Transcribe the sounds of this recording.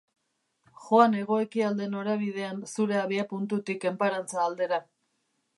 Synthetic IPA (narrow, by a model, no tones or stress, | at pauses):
ʝo̞ane̞ɣ̞o̞e̞kiald̪e̞no̞ɾaβ̞ið̞e̞ansuɾe̞aβiapunt̪ut̪ike̞mpaɾant͡saːld̪e̞ɾa